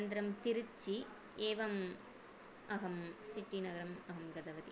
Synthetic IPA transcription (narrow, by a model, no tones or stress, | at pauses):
nd̪ɾɐmt̪iɾut͡ʃi | eːʋɐm | ɐɦɐmsiʈːinɐɡɐɾɐmɐɦɐmɡɐd̪ɐʋɐt̪i